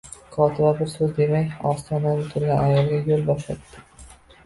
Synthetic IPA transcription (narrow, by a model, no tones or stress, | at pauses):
kʰɒt̪ʰɪbabɪɾsɵzd̪e̞majɒst̪ʰɒnabʊt̪ʰʊɾɡʲanajɒlˠɡʲajolˠbɒʃla̰t̪ːɪ̥